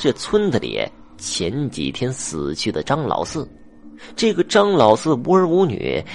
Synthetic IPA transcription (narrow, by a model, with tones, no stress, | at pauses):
ɕɥɛ˥˩t͡sʰwə˥nd̪ə˨ljɛ̰˨˧˩ | t͡ɕʰjɛ˧˥nt͡ɕḭ˨˩t̪ʰjɛ˥nsɹ̩˨˩t͡ɕʰy˥˩d̪ə˩ʈ͡ʂɑ˥ŋlɑ̰˧˥ʊsɹ̩˥˩ | ʈ͡ʂɤ˥˩ɡə˩ʈ͡ʂɑ˥ŋlɑ˧˥ʊsɹ̩˥˩u˧˥ə˞˧˥u˧˥ny̰˨˩˦